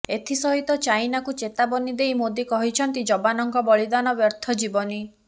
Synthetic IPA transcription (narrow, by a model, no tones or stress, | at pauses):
et̪ʰisɔɦit̪ɔt͡ʃajnakut͡ʃet̪abɔnid̪ejmod̪ikɔɦit͡ʃʰɔnt̪id͡ʒɔbanɔŋkɔbɔlid̪anɔbjɔɾt̪ʰɔd͡ʒibɔni